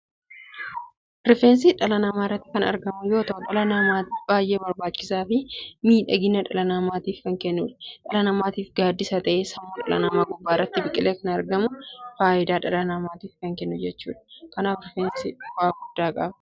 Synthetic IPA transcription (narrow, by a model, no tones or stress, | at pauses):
ɾɪfeːns̬ɪᶑɐlɐnɐmaːrːɐt̪ːɪ̥kɐnɐ̰ɾɡɐmʊjo̞ːt̪ɐʔʊᶑɐlɐnaːmaːb̥aːjʔe̞ːbɐɾbaːt͡ʃːɪsaːfɪmiːᶑɐɡɪnːɐᶑɐlɐnaːmaːt̪iːfkɐŋkɛnːʊːᶑɐ̥ᶑɐlɐnɐmaːt̪iːfɡaːd̪ːɪsɐt̪ɐʔesɐmːoːᶑɐlɐ̰nɐmaːɡʊbːaːɪrːɐt̪ːɪbɪkʼɪleːkɐnɐɾɡɐmʊfaːʔɪd̪aːᶑɐlɐnaːmaːt̪iːfkɐŋkɛnːʊd͡ʒɛt͡ʃːṵːᶑɐ̥kɐnaːfɾɪfeːnsɪwaːɡʊd̪ːaːkʼɐ̰bɐ̥